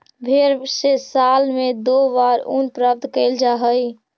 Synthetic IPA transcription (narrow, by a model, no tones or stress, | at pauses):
bʱeɾsesalmed̪obaɾṵnpɾəb̚d̪kəɪld͡ʒaɦəj